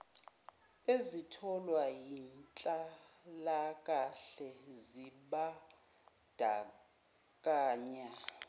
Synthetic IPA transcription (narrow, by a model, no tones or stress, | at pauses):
ezitʰɔlwajint͡ɬʼalak̬ʼaɬɛziɓa | d̥ʱa | k̬ʼaːɲa